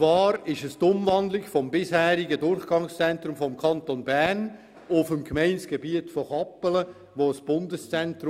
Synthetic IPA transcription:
t͡svɑːɾɪʃəstʊmvɑndlɪɡfɔmbɪshæːɾɪɡədʊrχɡ̥ɑŋst͡sɛnt̪ɾʊmfɔmkʰɑntonbæʁn | ʊfəmkmeɪnsɡ̥əbiːətfɔχɑpːələ | ʋoːsb̥ʊndəst͡sɛntɾ

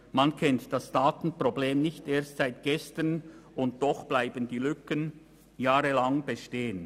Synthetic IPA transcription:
mankʰɛntd̥asd̥aːtn̩pʁ̥obleːmnɪçteːɐstsaɪtɡ̥ɛstənʊnt̚d̥ɔχb̥laɪbəndiːlʏkən | jaːʁəlaŋb̥eʃteːən

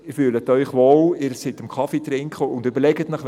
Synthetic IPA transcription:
ɪɾfyːlətœʏχʋoːlɪɾsɪtəmkʰɑfitrɪŋkχəʊndøbəɾlɛɡətnəχʋ

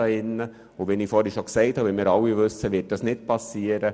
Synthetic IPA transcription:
ɑɪnːə | ʊʋɛniːfɔːɾɛʃoksɛɪthɑːʋɛlmiːɾɑwivʏsːəʋɪt̚d̥ɑsnɪt̚pʰɑsːiːəɾə

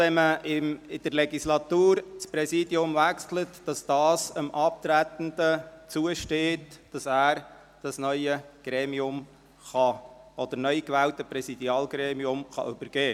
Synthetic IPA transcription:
ɛməɪmɪd̥əɾlɛɡislɑt̪uːɾt͡spɾɛsiːdiʊmvækslətd̥ɑsd̪̥ɑːsəmʔɑp̚t̪ɾæt̪ən̩d̥̪ət͡suəʃteːtd̥ɑsæːɾ | d̥ɑsnœʏəɡ̥ɾɛːmiʊm | χɑʔɔd̥̪əɾnœʏkʋɛːltəpɾɛsid̪iɑːlɡɾɛːmiʊmχɑ̰ʔʏbəɾɡ̥eː

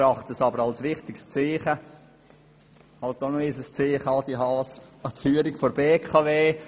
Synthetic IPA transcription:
ɾɑχtəsɑbəɾɑlsʋɪχtɪkst͡sɪːχə | hɑltonɔisəst͡sɪːχɑːd̪iɦɑːsɑt̪fyːəɾɪkfoɾbeːkʰɑveː

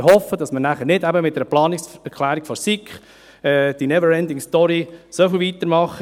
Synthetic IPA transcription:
hɔfəd̥ɑsmənæχənɪdæbəmɪt̚dɛɾəplɑːnɪksɛɾkʰlæːɾiɡ̥fɔsikχ | ɛːd̥inɛvəɾɛndɪŋstɔɾisofɪlvit̪əɾmɑχə

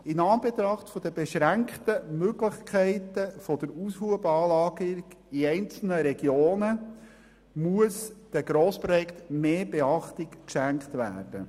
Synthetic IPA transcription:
ɪnɑːnbet̪ɾɑχtfɔd̥əbeʃɾæŋktəmøɡləχkʰɛɪtəfɔd̥əɾushuəbɑːlɑːɡəɡ | iɛɪnt͡sl̩nəɾɛɡ̥joːnə | muəsd̥æɡ̥ɾoːspɾɔjɛkt̪meːbeɑχtɪkkʃæŋktvæ̰ːɾd̥ə

